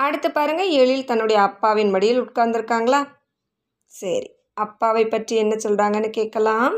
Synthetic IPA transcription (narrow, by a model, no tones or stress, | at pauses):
ɐɽɯt̪ːɯpːaːɾɯŋɡɐeːɭjɪlt̪ɐnːɯɽɐjɐːpːaːʋɪnmɐɽɪjɪlʊʈkaːɾnd̪ɪɾɯkːaːŋɡɐɭaː | sɐɾḭ | ɐpːaːʋɐɪpːɐʈriɛnːɐsɔlraːŋɡɐnːɯkeːʈ̚kɐlaːm